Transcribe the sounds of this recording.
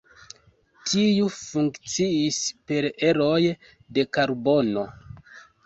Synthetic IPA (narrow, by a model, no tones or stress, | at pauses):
tʰijufuŋkt͡siispe̞ɾe̞ɾo̞j | de̞kaɾbo̞no̞